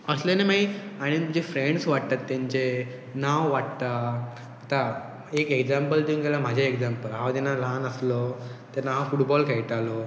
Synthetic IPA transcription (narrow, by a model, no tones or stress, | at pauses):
əslenemaiaɽ̃id͡ʑefɾeɳɖsʋaʈt̪at̪ːjãɲt͡ɕe | nawʋaʈt̪a | at̪a | ekeɡd͡ʑampəld̪iũnɡelam̤ad͡ʑʱaeɡd͡ʑampəlɦaʋd̪ɛnːalanəslɔt̪enawfuʈbɔlkejʈalo